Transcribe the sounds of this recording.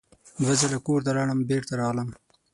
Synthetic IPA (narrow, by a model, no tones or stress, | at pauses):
d̪wazalakoɾt̪aɾɑɳəmbeːɾt̪aɾɑʁləm